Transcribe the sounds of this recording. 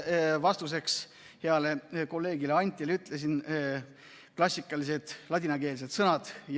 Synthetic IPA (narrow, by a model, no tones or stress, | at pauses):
vɑst̪us̬e̞ks | heɑle̞ko̞lːe̞ːɡileɑnʲt̪ʲːˑileyt̪ˑlesin | klɑsʲːikːˑɑlis̬e̞d̪̥lɑd̪ʲinɑke̞ːlis̬e̞d̪sɤnɑd̪̥j